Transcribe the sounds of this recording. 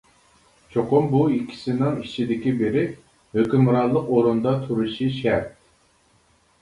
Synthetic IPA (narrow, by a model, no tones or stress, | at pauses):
t͡ʃʰoqʊmbuikʲʰːi̥sɪnɪŋit͡ʃʰid̪ɪkʲibeɾɪ | høkʲymɾɑlˠəqoɾund̪ɑt̪ʰuɾuʃiʃæɾt̪̚